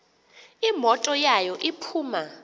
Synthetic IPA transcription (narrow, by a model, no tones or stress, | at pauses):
imɔtʼɔjajɔʔipʰuːma